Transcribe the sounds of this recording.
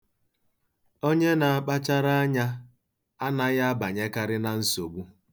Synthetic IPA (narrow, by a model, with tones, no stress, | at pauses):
o˦ɲe˦na˨a˨k͡pa˦t͡ʃa˦ɾa˦a˦ɲa˦ | a˦na˦ɣa˦ba˨ɲe˦ka˦ɾɪ˦na˨n̩˦so˨ɡ͡bu˦